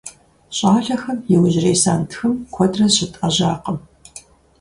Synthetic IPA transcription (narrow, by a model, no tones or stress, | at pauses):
ɕʼaːɬɐxɐmjɛwʑɪreːsaːntʰxɨmkʷʰɔdrɐɕɪtʼɐʑaːqəm